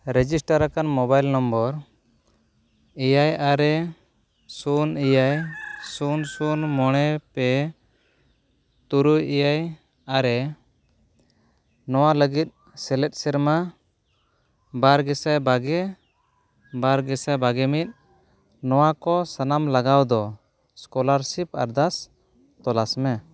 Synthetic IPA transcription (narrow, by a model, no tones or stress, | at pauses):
ɾɛd͡ʒisʈaɾakanmɔbajlnɔmbɔɾ | ijajaɾɛ | sunijajsunsunmɔɽ̃ɛpɛ | t̪uɾujijaj | aɾɛ | nɔwaləɡit̪̚ | sɛlɛt̪̚sɛɾma | baɾɡɛsajbaɡɛ | baɾɡɛsabaɡɛmit̪̚ˀ | nɔwakɔsanamlaɡawd̪ɔ | skɔlaɾsipa̰ɾd̪as | t̪ɔlasmɛ